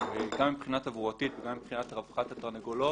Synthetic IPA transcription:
veɡamːipχinatavuatitveɡamːipχinat̪ʁavχat̪hat̪aʁneɡolo

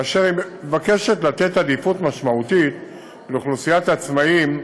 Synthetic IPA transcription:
ʃeʁimevake̞ʃetlat̪e̞tadifutmaʃmautit̪ | leχlusijatat͡smaim

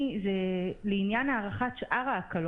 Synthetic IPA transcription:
zɛleinjanaːʁaχaʃʔaʁaːkal

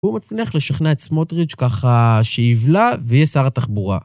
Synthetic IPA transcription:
umat͡snliaχleʃaχnaetsmot̪ʁit͡ʃkaχaʃeivlavejɛsaʁat̪aχbuʁa̰

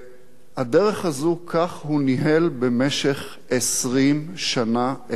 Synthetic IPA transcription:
hadeʁeχazukʰaχhuniɦelbemeʃe̞χ | esʁimʃanaʔe

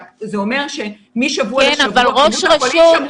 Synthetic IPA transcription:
zeomeʁʃe | miʃavuaennavalʁoʃʁaʃu

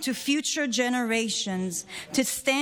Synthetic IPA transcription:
tʰɨfjʉt͡ʃə˞d͡ʒɛnəɹeɪʃə̃nz̥tʰɨstæ̃

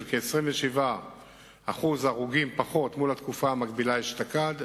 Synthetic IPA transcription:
vkeːsʁimveʃiva | aχuzaʁuɡimpaχo̞t̪mulat̪kufaːmaɡbilaiʃt̪akad̪

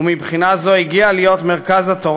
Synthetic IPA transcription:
umibχinazo̞iɡialijo̞t̪meʁkazat̪oʁ

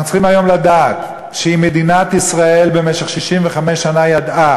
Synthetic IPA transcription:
nutt͡siχimajo̞mlad̪aːt̪ | ʃeimed̪inat̪isʁae̞lbe̞meʃeχʃiʃimveχame̞ʃːanajad̪ʔa

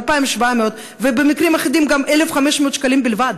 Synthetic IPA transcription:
lpajimʃvameot̪ | vebemikʁimaχid̪imɡamʔelefχameʃmeot̪ʃkalimbilvad̪̚

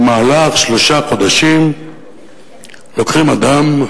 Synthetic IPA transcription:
maːlaχʃlo̞ʃaχo̞d̪aʃim | lo̞kχimad̪am

